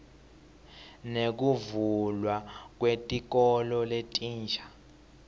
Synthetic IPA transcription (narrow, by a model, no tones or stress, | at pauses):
nek̬uvulwak̬wetʼik̬ɔlɔletʼiːnd͡ʒʱḁ